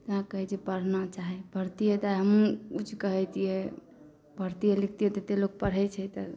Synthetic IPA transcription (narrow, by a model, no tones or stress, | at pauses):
t̪əɦãkəɦɛt͡ʃʰɛpəɽ̤nat͡ʃaɦɛbʱəɾt̪ijet̪aɦəmut͡ʃkəɦɛt̪ijɛ | bʱəɾt̪ijelikʰt̪ijet̪et̪elok̚pəɽ̤ɛt͡ʃʰɛt̪ə